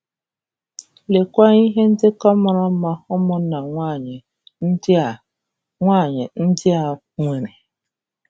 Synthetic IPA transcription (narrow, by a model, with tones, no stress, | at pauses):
le˨kʷa˦i˦ɦe˦n̩˦dɪ˦kɔ˦mɔ˨ɾa˦m̩˦ma˦hʊ˦mʊ˦na˨ŋʷa˦˨ɲ˨˦˨ | a˦˨ɲe˨n̩˦dɪ˦a˨ | ŋʷe˨ɾe˨